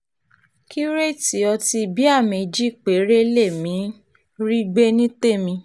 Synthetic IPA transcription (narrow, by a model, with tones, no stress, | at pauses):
kʰi˦ɾe˦˨ti˨˦ɔ˧ti˧˨bi˦a˦˨me˨d͡ʒi˦˨k͡pe˨˦ɾe˦le˦˨mĩ˨˦ | ɾi˦ɡ͡be˦nĩ˦te˦˨mĩ˧